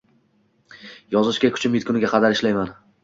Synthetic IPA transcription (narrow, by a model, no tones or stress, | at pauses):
jɒzɪʃkʲakʰʊ̥t͡ʃʰɪmjɪt̪kʰʲʊnɪɡʲaqʰɑd̪aɾɪʃlajman